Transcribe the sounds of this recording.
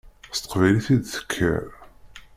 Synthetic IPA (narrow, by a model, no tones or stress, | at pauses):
st̪ə̥qvæjliθid̪θə̥kʰːæ̰ɾ